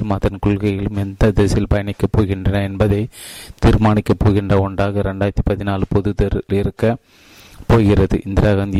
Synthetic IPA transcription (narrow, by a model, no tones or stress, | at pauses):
ɯmɐðɐnkʊɭɣɐjɪlɯmɛnd̪ɐd̪eːsɪlpɐjɐnɪkːɐpːoːɣɪndrɐnɐɛnbɐðɐɪt̪iːɾmaːnɪkːɐpːoːɣɪndrɐɔɳɖaːɣɐɾɛɳɖaːjɾt̪ːipɐðɪnaːlɯpɔðɯðɐɾlɪɾɯkːɐ | poːɣɪrɐðɯ̰ʔɪnd̪ɪɾaɣɐnd̪ɪ